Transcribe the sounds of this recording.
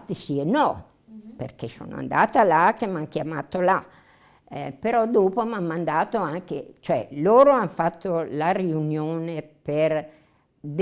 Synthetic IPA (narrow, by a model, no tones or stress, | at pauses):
t̪ːisienɔ | pḛrk̟eso̰ːno̰a̰nd̪aːt̪alak̟ːemːank̟jamaːt̪ola | ɛpeɾɔd̪oːpomamːand̪aːt̪oaŋk̟ḛt͡ʃoɛ̰loːɾoanfat̪ʰːolariunjoːneper | d̪